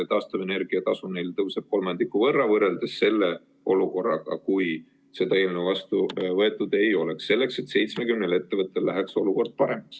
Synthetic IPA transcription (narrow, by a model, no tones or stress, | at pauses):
t̪ɑːst̪ove̞ne̞rɡ̥iɑt̪ɑsunejlt̪ɤwseb̥̚ko̞lmɑnd̪ikːˑuvɤrːɑvɤre̞ld̪̥esse̞lːe | ʔo̞luko̞rːɑ̰ɡ̥ɑ̰kuj | se̞d̪ɑe̞ːlnevɑst̪uvɤe̞t̪ːˑud̪e̞jo̞le̞ksːe̞lːe̞kse̞t̪se̞jt̪sme̞kymnele̞t̪ːe̞vɤt̪ːˑe̞llæɦekso̞luko̞rd̪̥̚pɑɾe̞mɑks